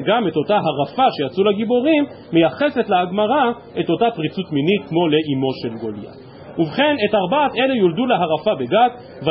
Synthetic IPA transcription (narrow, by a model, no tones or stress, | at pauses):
ɡame̞to̞taɦaʁafaʃejat͡sulaɡibo̞ʁimː | ejaχe̞se̞tleaɡmaʁa | e̞to̞tapʁit͡sutminitkmo̞le̞ʔimo̞ʃe̞lɡolja̰ | uvχe̞ne̞taʁbat̪e̞lejulduleɦaʁafabe̞ɡat | va